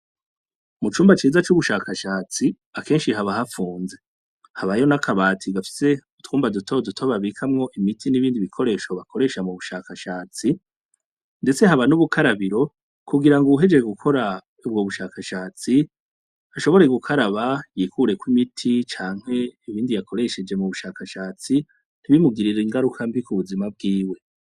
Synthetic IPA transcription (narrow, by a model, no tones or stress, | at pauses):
mut͡ʃuːmbat͡ʃiːzat͡ʃuβuʃaːkaʃaːt͡si | ake̞ːnʃiɦaβahafuːnze̞ | haβajo̞nakʰaβaːtʰiɡafi̥se̞utkuːmbadutʰo̞dutʰoβaβikʰamŋo̞ʔimitʰiniβiːndiβikʰo̞ɾe̞ːʃo̞βakʰo̞ɾe̞ːʃamuβuʃakaʃaːt͡si | nde̞t͡se̞haβanuβukʰaɾaβiɾo̞ | kuɡiɾaŋɡouɦe̞d͡ʒeɡukʰo̞ɾa | ubɡo̞βuʃakaʃaːt͡si | aʃo̞βo̞ɾe̞ɡukʰaɾaβajiːkuɾe̞kwimitʰit͡ʃaːŋ̥he̞iβiːndijakʰo̞ɾe̞ʃe̞d͡ʒe̞muβuʃakaʃaːt͡si | niβimuɡiɾiɾiŋɡaɾukʰambikuβuzimab̚ɡiːwe̞